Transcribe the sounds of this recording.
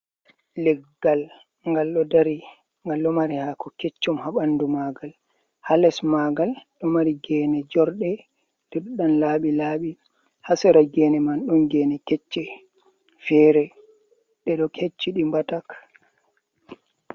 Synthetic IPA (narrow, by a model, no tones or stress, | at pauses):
lɛɡːal | ŋɡalɗɔdaɾi | ŋɡalːɔmaɾihakɔket͡ʃːumhaɓanːdumaɡal | halɛsmaɡalɗɔmaɾiɡɛːnɛd͡ʒɔɾɗɛ | d̥ɛɗɔɗanlaːɓilaːɓi | hasɛɾaɡɛnɛmanɗumɡɛːnɛkɛt͡ʃːɛ | fɛːɾɛ | ɗɛɗɔkʰet͡ʃːiɗimbatak